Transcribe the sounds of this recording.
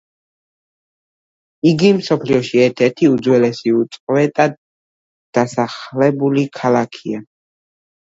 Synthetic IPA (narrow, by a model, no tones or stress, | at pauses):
iɡimsɔpʰliɔʃiɛɾt̪ʰɛɾt̪ʰiud̪zwɛlɛsiut̪sʼqʼvɛt̪ʼad̪̚ | d̪̥asaχlɛbulikʰalakʰia